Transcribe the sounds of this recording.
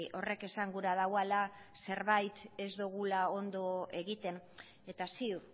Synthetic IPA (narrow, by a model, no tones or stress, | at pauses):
ʔo̞re̞ke̞saŋɡuɾaðawala | se̞ɾβajt̪e̞zd̪uɣ̞ulao̞nd̪o̞e̞ɣit̪e̞n | e̞t̪asiuɾ